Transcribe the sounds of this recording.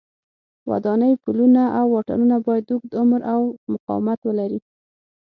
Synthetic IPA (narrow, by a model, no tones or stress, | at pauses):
wa̰d̪ɑnəjpulunaʔawːɑʈɑ̰nunabɑjad̪ukd̪ʊmɾawmʊqɑ̰wɪmat̪wəlaɾi